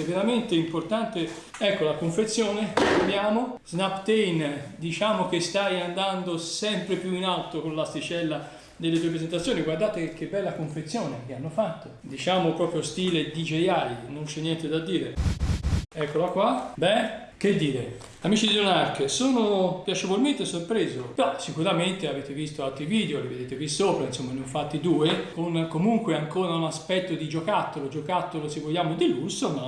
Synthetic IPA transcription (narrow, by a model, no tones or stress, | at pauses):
ɛvːeɾament̪eimport̪ant̪e | ɛkːolakoɱfet̪sːjoːnekemjaːmoz̥napt̪ejnd̪it͡ʃaːmok̟est̪ajand̪and̪osɛmpɾepjuinalt̪okonlast̪it͡ʃɛlːa | d̪elːet̪uep̬ɾezent̪at̪sːjoːniɡward̪aːt̪ek̟ːebɛlːakoɱfet̪sːjoːnek̟eanːofat̪ːod̪it͡ʃaːmopɾɔːpɾjost̪iːled̪id͡ʒejaːlinont͡ʃɛnːjɛnt̪ed̪ad̪ːiːɾe | ɛkːolakwabɛ | k̟ed̪ːiːɾe | amit͡ʃid̪unarkesoːnopjat͡ʃevolment̪esorpɾeːzopeɾɔsikuɾament̪eaveːt̪evist̪oalt̪ɾiviːd̪eoleved̪eːt̪evistːoːpɾainsomːanoɱfat̪ːid̪uːekonkomuŋkweaŋkoːɾaunaspɛt̪ːod̪id͡ʒokat̪ːolod͡ʒokat̪ːolosevːoljːaːmod̪ilusːoma